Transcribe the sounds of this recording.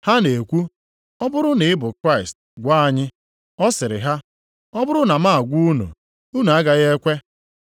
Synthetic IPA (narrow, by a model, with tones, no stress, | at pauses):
ha˦ne˨kʷu˦ | ɔ˦bʊ˦ɾʊ˦nɪ˨˦ɪ˦bʊ˨kɾa˦ɪ˨st | ɡʷaː˦a˨ɲɪ˦ | ɔ˦sɪ˨ɾɪ̰˨ɦa˦ | ɔ˦bʊ˦ɾʊ˦na˨ma˦˨a˨ɡʷu˦u˦nṵ˨ | u˦n˨a˦ɡa˨ɣe˦kʷe˦